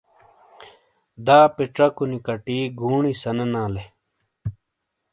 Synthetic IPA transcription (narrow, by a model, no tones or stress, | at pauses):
d̪aːpiʈ͡ʂɐkunikɐʈiːɡʱuːɳisɐnɐnãːle